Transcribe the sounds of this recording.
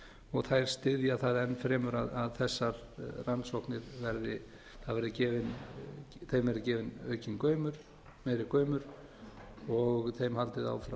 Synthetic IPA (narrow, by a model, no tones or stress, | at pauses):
ɔɣθajɾ̥st̪ɪðjaθaðɛnːfɾɛːmʏɾaðaðθɛsːaɾ | ransɔhknɪɾvɛɾðɪ | θaðvɛɾðɪcɛːvɪn | θejmvɛɾðɪcɛːvɪnœ̰ːɥcɪŋkœːɥmʏɾ̥ | mɛːjɾɪkœːɥmʏɾ̥ | ɔɣθejmhalt̪ɪða̰ːwfɾa